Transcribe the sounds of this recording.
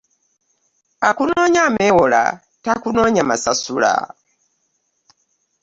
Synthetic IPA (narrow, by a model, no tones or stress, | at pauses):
akunɔɲamɛwɔla̰ | takunɔɲamasasuɺa̰